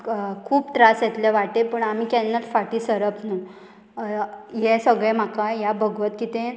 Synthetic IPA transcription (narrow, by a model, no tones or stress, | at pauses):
kʰuːpʈɾasjɛt̪leʋaʈepəɳam̤iːkɛnːat̪faʈiːsəɾəpnu | jɛsəɡɭem̤akajabəɡʱʋət̪kit̪ẽ